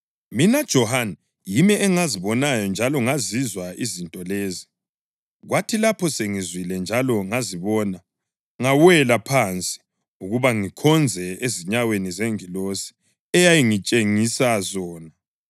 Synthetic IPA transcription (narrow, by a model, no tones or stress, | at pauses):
minad̥ʒ̥ʱɔhana | jimɛʔɛŋaziβɔnajɔnd͡ʒʱalɔŋazizwaizintʼɔleːzi | ɣwʔatʰilapʰɔseŋizwilɛnd͡ʒʱalɔŋaziβɔna | ŋawɛlapʰant͡sʼi̥ | uɣuβaŋikʰɔnd͡zʱɛeziɲawenizeŋilosi̥ | ɛjajiŋit͡ʃʼeŋisazɔːna